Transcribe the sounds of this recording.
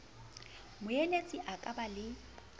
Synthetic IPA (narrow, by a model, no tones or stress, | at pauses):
mʊjelet͡sʼiʔakʼabalɪ